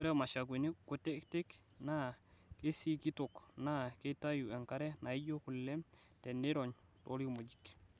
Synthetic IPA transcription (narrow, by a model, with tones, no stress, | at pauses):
ɾɛ˦ma˨ʃa˨k̬wi˨ni˦ku˨te˦kte˦k | na˦ke˦si˦ki˦to˨kna˦ke˦ta˦ju˨ɛ˨ŋka˦ɾɛ˦na˨i˦ɟo˦ku˨lːɛ˦m | tɛ˨ne˦ɾo˨ɲto˦ɾi˦mo˨d͡ʒi̥˨k